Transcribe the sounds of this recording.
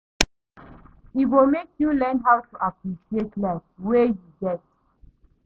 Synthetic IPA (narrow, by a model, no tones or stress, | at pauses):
iwomekjulɛ̃nɦawtuʔapɹiʃietlaswejuɡɛt